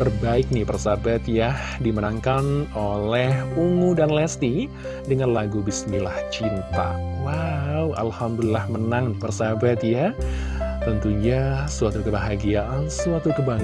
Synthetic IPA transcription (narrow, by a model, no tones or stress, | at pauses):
bərbaɪk̚nipərsabat̪ja | dimənaŋkanolɛhuŋudanlɛst̪i | dəŋanlaɡubisnilaht͡ʃint̪a̰wauʔa̰lhamd̪ulilːahmənaŋpərsabat̪ja | t̪ənt̪uɲasuat̪ukəbaɦaɡiaʔansuat̪ukəbaŋ